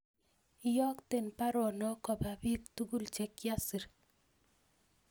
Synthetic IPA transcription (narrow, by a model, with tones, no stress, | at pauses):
ɪ˦jɔ˦kte˨npa˦ɾɔ˨nɔ˦kɔ˨ba˨bi˦k̚tu˦ɡu˦lt͡ʃɛ˨kja˦si˨ɾ